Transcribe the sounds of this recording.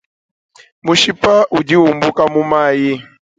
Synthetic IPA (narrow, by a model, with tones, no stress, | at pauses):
mu˨ʃi˦pa˦ʔu˨d͡ʒi˦u˨mbu˦ka˦mu˦ma˦˨ji˦